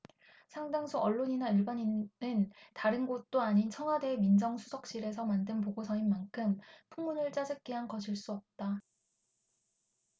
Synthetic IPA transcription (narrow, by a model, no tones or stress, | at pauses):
sʰaŋdaŋsʰuʌɭːoɲinaiɭbʌɲinnɯntaɾɯnɡot̚t͈oaɲint͡ɕʰʌŋɦade̞ːmind͡ʑʌŋsʰu̥sʰʌk̚ɕ͈iɾe̞s̬ʰʌmandɯnp̬oɡosʰʌinmankʰɯmpʰuŋmunɯɭt͡ɕ͈ad͡ʑɯk͈iɦankʌɕʰiɭs͈uʌp̚t͈a